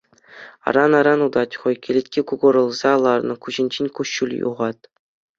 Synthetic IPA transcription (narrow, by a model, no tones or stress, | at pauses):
ɑ̰ɾɑnɑɾɑnud̪ɑtʲχojkʲelʲetʲkʲikuɡŏɾɤ̆lˠzɑlˠɑrnɤ̆kuʑɘ̆nʲd͡ʑenʲkuɕulʲjṵʁɑt̪̚